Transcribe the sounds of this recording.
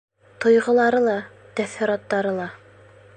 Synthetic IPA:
t̪ŏjʁɤ̆lˠɑɾɤlˠɑ | t̪æθiɾɑt̪ːɑɾɤlˠɑ

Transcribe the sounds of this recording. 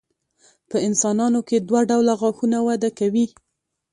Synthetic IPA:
pəɪnsɑnɑnoked̪waɖawlaɣɑxunawad̪akawi

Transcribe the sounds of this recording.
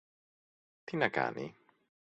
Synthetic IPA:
t̪ʰinaɡa̰ːni

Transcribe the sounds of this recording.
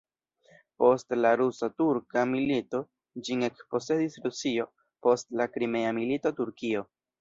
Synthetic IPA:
po̞stlaɾusatuɾkamilito̞ | d͡ʒinekpo̞se̞disɾusio̞ | po̞stlakɾime̞amilitotuɾkio̞

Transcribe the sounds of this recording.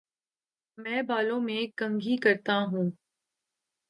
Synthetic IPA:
mɛ̃ːbaːlõmẽkɐ̃ŋɡʱikɐɾt̪aɦũː

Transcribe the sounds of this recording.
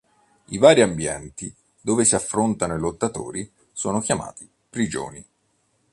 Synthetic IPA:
ivaːɾiambjɛ̰nt̪i | d̪oːvesiafːɾont̪anoilot̪ːat̪o̰ːɾi | so̰ːnok̟jama̰ːt̪i̥ | pɾid͡ʒo̰ːni

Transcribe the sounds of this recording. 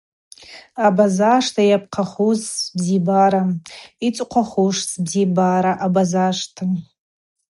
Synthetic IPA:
abazaʂtʰajap̚ʰqʰaχuzbzibaɾait͡sʷʼqʷʰaχuʂsbzibaɾaʔabazaʂtʰa

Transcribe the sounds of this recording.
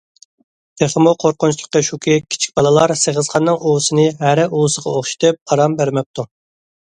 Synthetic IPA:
t̪ʰeχəmuqʰoɾqʊnt͡ʃʰlˠəqːəʃukʰʲɪkʲʰi̥t͡ʃʰi̥k̚ʲbɑlˠɨlˠɑɾseʁəz̥qʰɑnːɨŋʔuwsɨnɨɦæɾɪʔuwsəʁɑoχʃi̥t̪ɨp̚ɑɾɑmbæɾmɛp̚t̪ʰu

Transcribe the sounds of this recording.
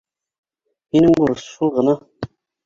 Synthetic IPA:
minɘŋbuɾɤsʃulˠʁɤ̆nɑ

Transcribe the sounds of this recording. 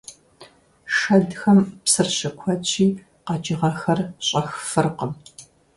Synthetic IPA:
ʂɐdxɐmpsɨrɕɐkʷʰɔt͡ʃʰʼiː | qɑd͡ʒɪʁɐxɐrɕʼɐxfɨrqəm

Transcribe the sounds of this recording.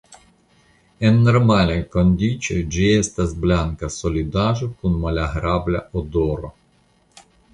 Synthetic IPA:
enːoɾmalajkond̪it͡ʃojd͡ʒiest̪asblaŋkasolʲid̪aʒokunmalaɦɾablaʔod̪oɾo̰

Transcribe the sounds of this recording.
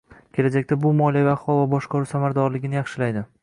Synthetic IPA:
kʲʰe̞lad͡ʒakʲt̪abʊmɒlˠijaviaχwˠɒvabɒʃqʰɒɾʊsamaɾd̪ɒɾlɪɡʲɪnɪjɑχʃɪlajd̪ɪ

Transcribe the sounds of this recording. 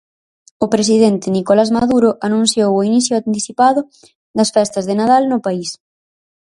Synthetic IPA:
ʊpɾes̬iðɛnt̪ɪnikolazmaðuɾʊʔanũn̟θjowoiniθjʊant̪iθipaðʊ | d̪ɐsfɛst̪ɐzðenaðalnʊpais

